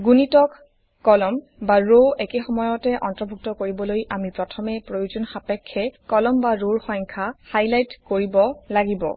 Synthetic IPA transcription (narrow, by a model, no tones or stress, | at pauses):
ɡunitɔkː | ɔlɔm | baɹoekexɔmɔjɔtɛʔɔntɔbʱuk̚tɔkoɹibɔlojʔamipɹɔtʰɔmɛpɹojozɔnxapɛkʰːɛkɔlɔmbaɹoɹxɔjŋkʰahajlajtkoɹibɔlaɡibɔ̰